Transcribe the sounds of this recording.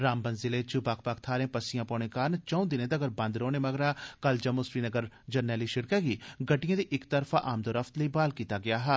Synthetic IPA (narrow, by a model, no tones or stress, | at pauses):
ɾaːmbɐnzɪlet͡ʃubaːk̚ʰpaːk̚ʰt̪ʰaːɾẽːpɐsijãːpɔːnẽkaːɾnt͡ʃɐ̃ũd̪ɪnẽd̪ɐɡəɾbɐ̃nd̪ɾoːnemɐɡɾaːkɐld͡ʒɐmosɾiːnɐɡəɾ | d͡ʒɐɾnɛːliʃɪɽkaɡiːɡɐʈijãːd̪iʔɪkt̪ɐɾfʰaʔaːmd̪oːɾɐft̪ləibaːlkiːt̪aɡɐjaːɦɛː